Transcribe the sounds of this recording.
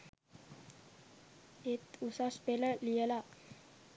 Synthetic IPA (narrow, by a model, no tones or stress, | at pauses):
et̪usaspeləlijəla